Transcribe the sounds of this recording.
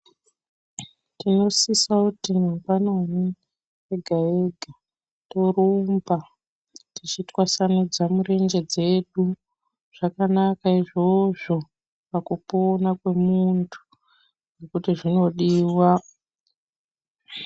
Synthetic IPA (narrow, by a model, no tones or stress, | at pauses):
tino̞sisakutimambanoni | jeɡʱaeɡʱa | torumba | tit͡ʃitwasanud͡zamuɾe̞nd͡ʒe̞d͡ze̞ɗu | ʐ̥akanakaiʐo̞ʐo̞ | pakupoːnakwe̞muntʰu̥ | nekutiʐino̞ɗiːwa